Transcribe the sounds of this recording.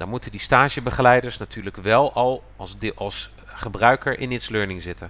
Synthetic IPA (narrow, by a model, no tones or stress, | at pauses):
dɔ̰mutəndistaːʒəbəχəlɛjdəɹsnatʰyːɹləkʋɛlˠɑlˠ | ɑlˠs | χəbrœɥkəɹʔɪ̰nɪtsløːɹnɪŋzɪtən